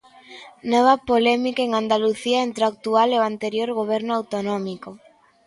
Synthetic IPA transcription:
nɔβɐpolɛmikaeŋand̪aluθiaent̪ɾak̚t̪ualeoant̪eɾjoɾɣoβ̞ɛɾnoawt̪onɔmiko

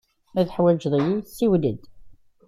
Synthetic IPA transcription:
æðħwæd͡ʒðˤjisiwləd̪

